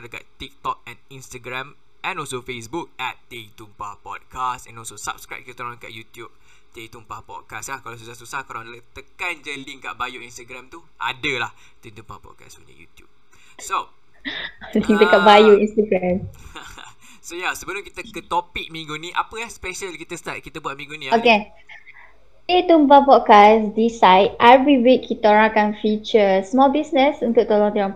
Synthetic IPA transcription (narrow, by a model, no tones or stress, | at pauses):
adaka̰ʔt̪ik̚t̪ɔk̚ɛ̃nĩnst̪aɡɾɛ̃m | ʔɛ̃nɔlsofesbuk̚ɛt̪ːet̪umpapɔ̰t̚kʰastɛ̰̃nɔlsosa̰p̚skɹa̰p̚kit̪t̪əɾɔ̃ka̰ʔjut̪jup̚ | t̪et̪umpapɔ̰t̚kaslahkalas̬usasusahkalãdlət̪əkand͡ʒəliŋka̰ʔbajuinst̪aɡɾɛ̃mt̪uʔa̰dəlah | t̪it̪ũmpapɔ̰t̚ka̰so̰ɲə̰jṵt̪jṵb̚ | so | lĩŋdəkaʔ̚bajuĩnst̪əɡɹɛ̃m | sojasəbəlʊmkit̪əkət̪opik̚mĩŋɡunĩʔa̰pəjahspɛʃəlkit̪əst̪at̚kit̪əbuat̚mĩŋɡunĩoke | et̪umbapɔt̚kasdisajt̚ɛvɹiwikʰːit̪oɹãkãnfit͡ʃəsmɔlbisnəsunt̪ʊk̚t̪olɔ̃ŋt̪iɹã